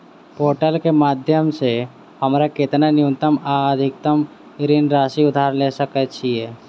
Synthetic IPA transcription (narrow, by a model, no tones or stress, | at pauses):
poːɾʈəlkemaːd̪ʱjəmse | həmɾakɪt̪nənɪũnt̪əmaəd̪ʱɪk̚t̪əm | ɾinɾaːʃiʊd̪ʱaɾlesəkət͡ʃʰiɛː